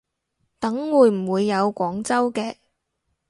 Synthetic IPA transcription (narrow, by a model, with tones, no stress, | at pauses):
t̪ɐ˨˥ŋwuː˨˧jm̩˨˩wuː˨˧jːɐ˨˧wkʷɔː˨˥ŋt͡sɐ˥wkɛː˧